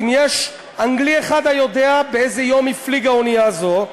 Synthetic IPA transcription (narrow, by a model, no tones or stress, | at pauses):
imjeʃ | aŋɡlieχad̪ajo̞d̪e̞abeezejo̞mifliɡaonijazo̞